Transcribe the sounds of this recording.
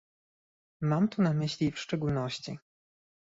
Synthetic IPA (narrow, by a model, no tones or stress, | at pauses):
mamt̪unamɘɕlʲifʂt͡ʂɛɡulnɔɕt͡ɕḭ